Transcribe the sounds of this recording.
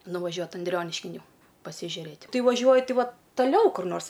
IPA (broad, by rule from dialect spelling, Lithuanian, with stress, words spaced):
nʊʋɐˈʒʲuɔt ɐnʲˈdʲrʲoːnʲɪʃʲkʲɪn ˈjɛʊ pɐsʲɪʒʲʊˈrʲeːtʲ ˈkɐɪ ʋɐˈʒʲuɔjʊ ˈtʲɪ ˈʋoːt tɐˈlʲɛʊ kʊr ˈnoːrs